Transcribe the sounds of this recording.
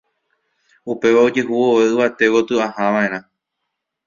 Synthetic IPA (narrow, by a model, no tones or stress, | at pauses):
upe̞ʋaod͡ʒeɦuoʋeɨʋat̪e̞ʋot̪ɨahãʋãẽɾ̃ã